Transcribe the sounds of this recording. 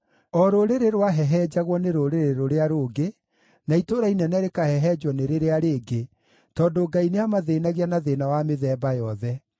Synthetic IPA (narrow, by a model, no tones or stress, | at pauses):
ɔɾoɾeɾeɾwaɦɛɦɛd͡ʑaɣwɔneɾoɾeɾeɾoɾeaɾoɡe | naitoːɾainɛnɛɾekahɛɦɛd͡ʒɔneɾeɾeaɾeːɡe | tɔndoɡaineamaðeːnaɣianaðeːnawameðɛːbajɔðɛ